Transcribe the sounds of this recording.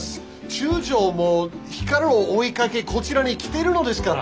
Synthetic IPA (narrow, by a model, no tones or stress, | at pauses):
t͡ɕɨːʑo̞ːmo | çi̥kaɾɯoːikake̞ko̞t͡ɕiɾaɲ̟ikʲi̥t̪e̞ɾɯ̟no̞d̪e̞sɨ̥ka